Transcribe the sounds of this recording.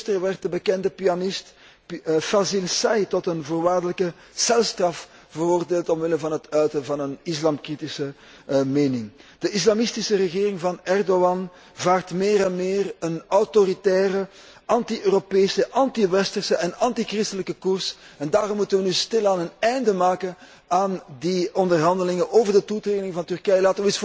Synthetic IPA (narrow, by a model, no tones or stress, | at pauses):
stərʋɛrt̚dəbəkɛndəpiɑnɪst | fasilsajtɔtənvoːrʋaːrdələkə | sɛlˠstrɑf | v̥əroːrdeːlˠtɔmʋɪləvɑnɦətœɥtəvɑnənɪslaːmkritisə | meːnɪŋd̥əʔɪslɑmɪstisərəɣeːrɪŋvɑnɛrdoɑn | vaːrtmeːɾɛnmeːrənɔwtoɾitɛːrə | ʔɑntiʔøːropeːsəʔɑntiʋɛstərsəʔɛnɑntikrɪstələkəkursɛndaːɾɔmːutənʋənystɪlaːnənɛjndəmaːkən | aːndiɔndərɦɑndəlɪŋəʔoːvərdətutreːɡdɪŋvɑntʏrkɛjlaːtəʋəɪs